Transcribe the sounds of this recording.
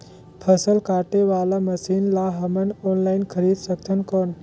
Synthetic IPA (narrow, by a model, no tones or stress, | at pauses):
pʰəsəlkaːʈeʋalaməsiːnlaɦəmənɔnlainkʰəɾiːd̪səkt̪ʰənkɔːn